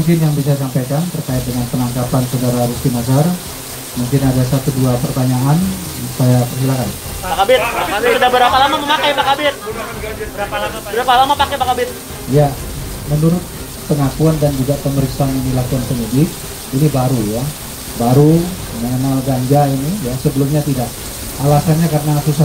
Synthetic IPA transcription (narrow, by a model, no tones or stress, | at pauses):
muŋkɪnjaŋbis̬as̬ampajkant̪ərkaɪt̪̚dəŋanpənaŋkapansodaɾaɾusimas̬ar | muŋkɪnadasat̪uduapərbaɲaŋan | upajakərɦilakan | bakabɪt̪̚asudabəɾapalamaməmakajbakabɪt̪̚ | bəɾapalamapakajbakabɪt̪̚ | ja | mənuɾʊt̪̚ | pəŋakuandand͡ʒuɡaʔpəməɾiksaananilakuanpəɲidɪk̚ | inibaɾuja | baɾu | məŋənalɡaɲd͡ʒainijasəbəlʊmɲat̪idak̚ | alasanɲakaɾənasusa